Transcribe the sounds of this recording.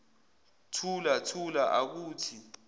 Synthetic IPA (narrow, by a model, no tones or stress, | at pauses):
tʰulatʰulaʔak̬uːtʰi